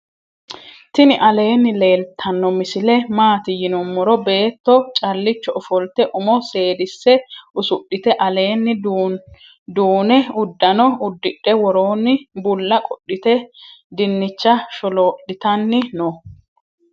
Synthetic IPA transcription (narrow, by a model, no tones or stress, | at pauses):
t̪ɪnɪʔɐle̞ːnːɪle̞ːlt̪ʰɐnːɔmɪsɪlɛmaːt̪ɪjɪnɔmːɔɾɔbe̞ːt̪ːɔt͡ʃʼɐlːɪt͡ʃːɔʔɔfɔlt̪ɛʔʊmɔse̞ːd̪ɪsːɛʊsʊɗːɪt̪ɛʔɐle̞ːnːɪ | d̪uːnɛʊd̪ːɐnɔʊd̪ːɪɗːɛwɔɾo̞ːnːɪbʊlːɐkʼɔɗːɪt̪ɛd̪ɪnːɪt͡ʃːɐʃɔloːʔːɪt̪ɐnːɪnɔ